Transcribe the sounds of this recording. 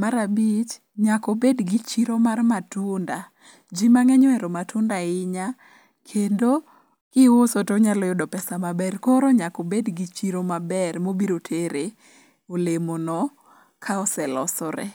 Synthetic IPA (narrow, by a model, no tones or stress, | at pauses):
maɾabit͡ʃ | ɲakobedɡɪt͡ʃiɾomarmatʊnda | d͡ʒimaŋɛɲɔɛɾomatʰʊndaɪɲa | kʰendo | kɪwʊsotoɲalɔjʊdɔpɛsamabɛrkoɾoɲakobedɡit͡ʃiɾomabɛrmobiɾotʰeɾe | olemonɔ | kʰaɔsɛlɔsɔɾɛ̰